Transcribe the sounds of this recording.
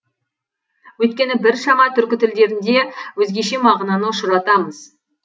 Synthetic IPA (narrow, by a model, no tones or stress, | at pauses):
wɵjt̪̚kʲe̞nɪbɪɾʃɑɴɑt̪ʰʏɾkʲɪt̪ʰɪld̪e̞ɾɪnd̪e̞wɵzɡʲe̞ʃe̞mɑʁnɑnəʊʃəɾɑt̪ɑməz̥